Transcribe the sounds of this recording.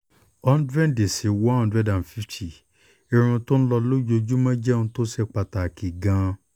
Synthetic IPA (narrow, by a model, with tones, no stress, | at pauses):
ɔ˦n̩˦dɾɛ̃˦˨de˨si˨˦wɔ˦ã˦˨dɾɛ˦˨dã˨fi˦ti˨ | i˧ɾ̃ũ˧to˦ñ̩˦lɔ˧lo˦d͡ʒo˧d͡ʒu˦mã˦d͡ʒɛ˦˨ũ˧to˦sɛ˦˨k͡pa˧ta˨ki˨ɡã˧